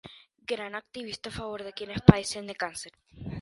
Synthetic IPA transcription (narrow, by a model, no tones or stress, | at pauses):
ɡɾanak̚t̪iβist̪aafaβoɾðekjenespaisend̪ekanseɾ